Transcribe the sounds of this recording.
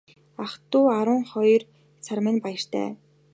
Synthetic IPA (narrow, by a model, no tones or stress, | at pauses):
aχt̪ʊːaɾʊ̆ːŋχɔjr | t͡sʰarmɘ̆npajə̆r̥t̪ʰæ̰ː